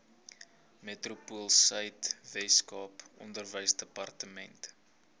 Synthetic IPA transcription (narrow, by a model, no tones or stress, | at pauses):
metrupuəlˠsəjtvɛskɑːpɔ̰ndərvəjsdəpɐrtəmɛnt